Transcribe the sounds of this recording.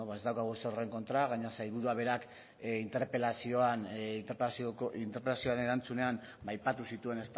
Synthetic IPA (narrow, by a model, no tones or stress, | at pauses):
oβaezd̪awkaɣ̞useore̞ŋko̞nt̪ɾaɣaɲasajβuɾuaβe̞ɾak | int̪eɾpelasio̞anint̪eɾpsint̪eɾpelasioane̞ɾant͡sune̞am | bajpat̪usit̪ue̞ne̞st̪